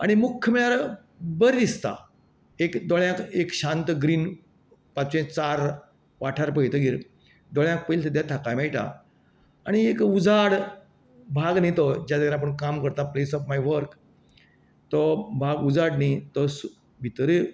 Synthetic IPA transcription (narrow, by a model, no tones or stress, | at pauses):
a̰ɽ̃imukʰjəmiɭaɾ | bəɾd̪ist̪a̰ | ekd̪oɭjãkekɕãnt̪ɡɾiːn | pat͡sẽt͡saɾ | ʋaʈʰaɾpəjt̪əɡiːɾ | d̪ɔɭjãk̚pəilt̪əd̪jat̪ʰakajmajʈa̰ | aɽ̃iekud͡zaɽ | bʱaɡnit̪ɔd͡ʑjad̪əɡaɾapəɳkamkəɾt̪aplesɔfmajʋəɾk | t̪ɔbʱaɡud͡zaɽnit̪ɔsu | bʱit̪əɾe